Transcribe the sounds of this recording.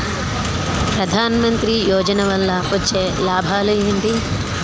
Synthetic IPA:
pɾɐd̪ʱaːnɐmɐnt̪ɾijɔːd͡ʒɐnɐʋɐlːɐpot͡ʃːeːlaːbʱaːlueɳɖi

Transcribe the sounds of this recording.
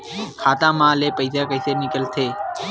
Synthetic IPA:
kʰaːt̪ãːmãːleːpəɪsaːkəɪseːnɪkəlt̪ʰeː

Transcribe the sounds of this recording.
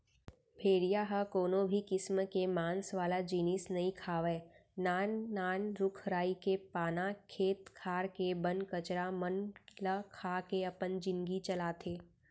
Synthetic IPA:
bʱeːɽijaɦəkoːnõbʱikɪsmkemãːnsʋaːlad͡ʒiːnɪsnɐɦĩkʰaːʋeːnaːnːaːnɾʊkʰɾaːikepaːnakʰeːt̪kʰaːɾkebənkɐt͡ʃɾamənləkʰaːkeɐpənd͡ʒɪ̃nɡit͡ʃɐlaːt̪ʰeː

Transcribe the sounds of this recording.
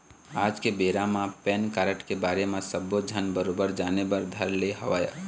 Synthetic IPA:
aːd͡ʒkebeːɾamãpɛːnkaɾəʈkebaːɾemẽsəbːod͡ʒʱənbəɾobəɾd͡ʒaːnebəɾd̪ʱəɾleɦəʋaja̰

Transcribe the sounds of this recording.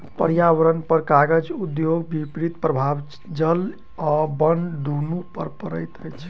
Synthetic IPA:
pəɾjaʋəɾənpəɾkaɡəd͡ʒud̪joɡbʱipɾit̪pɾəbʱab | d͡ʒəl | ɔbənɖ̪ʱunupə̰ɾpəɾəjt̪əjt͡ʃʰ

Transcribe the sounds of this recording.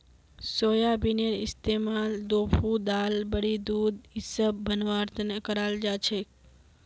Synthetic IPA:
soːjabinenɪst̪emald̪oːpʰud̪albəɽid̪ud̪isəbːʱənʋaɾt̪ənəkəɾald͡ʒat͡ʃʰe

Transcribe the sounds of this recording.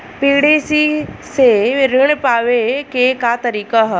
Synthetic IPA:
piːɽeːsiseʋɪɾəɽ̃paːʋekekat̪əɾiːkaɦ

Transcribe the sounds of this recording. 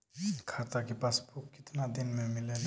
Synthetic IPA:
kʰat̪akepaspukkːɪt̪nad̪ɪnmẽmɪlen

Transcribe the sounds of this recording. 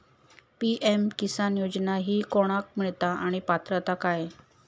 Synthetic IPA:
piʔemkisanjod͡ʑnaɦiːkoɽ̃ak̚miɭt̪aaɽ̃ipat̪ɾət̪akaj

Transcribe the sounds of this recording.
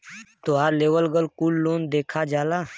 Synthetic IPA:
t̪oaːɾleːwəlɡəlkuːlːoːnd̪eːkʰad͡ʒaːlaː

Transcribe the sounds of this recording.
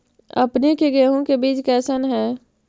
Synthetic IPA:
ɐ̰pnekeɡɛːɦõkebiːt͡ʃkɛːsənɦɛː

